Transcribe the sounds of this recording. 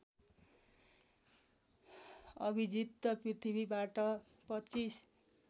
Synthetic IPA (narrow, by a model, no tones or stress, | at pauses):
ʌ̰bʱid͡zit̪ːʌprit̪ʰibʱibaʈʌ | pʌt͡sis